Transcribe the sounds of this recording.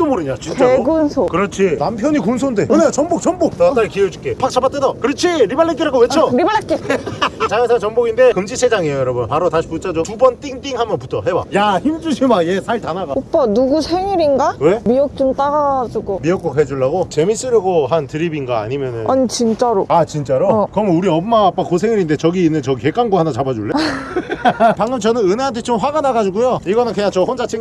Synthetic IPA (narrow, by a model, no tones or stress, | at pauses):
t͈omoɾɯɲat͡ɕit͡ɕeɡunsʰokɯɾʌt͡ɕʰinampʰjʌɲikuns̬ʰondenet͡ɕʌnbok̚t͡ɕʌnbok̚tt͈aɭkied͡ʑuk͈epʰak̚t͡ɕʰabat͈edakɯɾʌt͡ɕʰiɾibaɭːek͈iɾaɡoweoɾibaɭːek͈it͡ɕajɯsʰat͡ɕʌnboɡinde̞kɯmd͡ʑisʰed͡ʑaŋejojʌɾʌbunpaɾotaɕʰi̥put͡ɕ͈ʰad͡ʑotubʌnt͈ʼiŋt͈iŋhamjʌnputʰʌɦewa̰jaçind͡ʑuɕʰimajesʰaɭtanaɡaop͈ʌnuɡusʰeŋiɾinɡawe̞miʌk̚t͡ɕ͈omt͈aɾaɡad͡ʑuɡomiʌk͈oked͡ʑuɭːaɡot͡ɕe̞mis͈ɯɾɯɡoɦantɯɾibinɡaa̰ɲimjʌnɯnanit͡ɕint͡ɕ͈aɾoat͡ɕint͡ɕ͈aɾokɯɾʌmunuɾiʌmmaːp͈akosʰe̞ŋiɾinde̞t͡ɕʌɡiinːɯnt͡ɕʌɡike̞k͈anɡwahanat͡ɕabad͡ʑuɭːe | paŋɡɯmt͡ɕʌnɯnɯne̞ɦant̬ʰet͡ɕomɸwaɡanaɡad͡ʑuɡujoiɡʌnɯnkeɲat͡ɕ͈ohond͡ʑat͡ɕʰiŋ